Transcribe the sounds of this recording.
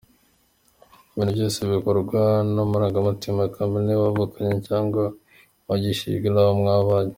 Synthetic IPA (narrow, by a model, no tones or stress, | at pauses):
βiːnubɟoːseβikoɾɡwanomuɾaːŋɡamutimakʰambineβaβukʰaɲecaːŋɡa | βaɟiʃḭɡinaβomŋaβaɲe